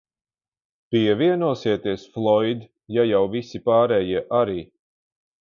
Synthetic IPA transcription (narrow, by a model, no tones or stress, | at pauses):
piɛviɛnuɔsiɛt̪iɛsflˠɔjd̪ | jajawvisipaːɾɛjiɛʔaɾiː